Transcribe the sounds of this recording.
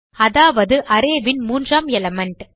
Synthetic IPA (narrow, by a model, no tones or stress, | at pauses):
ɐðaːʋɐðɯʔɐɾeːʋɪnmuːndraːmɛlɐmɐɳʈ